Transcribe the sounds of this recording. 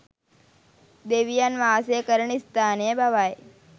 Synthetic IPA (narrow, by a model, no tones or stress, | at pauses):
d̪eːʋijanʋaːsekəɾɳist̪aːnjebʱaʋaj